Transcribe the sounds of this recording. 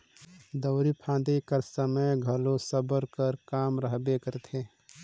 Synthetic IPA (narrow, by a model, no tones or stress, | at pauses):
d̪əʊɾipʰãːd̪ikəɾsəməjɡʱəlosəbəɾkəɾkaːmɾəɦbekəɾt̪ʰe